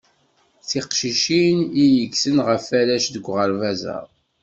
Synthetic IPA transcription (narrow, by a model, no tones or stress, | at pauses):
θiqʃiʃinijəksənʁəfæɾæʃðəɡʷʁəɾvæzə̰ɾˤ